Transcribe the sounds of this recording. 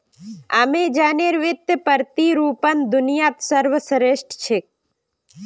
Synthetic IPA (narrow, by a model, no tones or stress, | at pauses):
amed͡ʒaːneɾʋɪt̪ːəpəɾt̪iɾuːpənd̪ʊnɪjaːt̪səɾʋəsəɾeʃʈʰt͡ʃʰek̚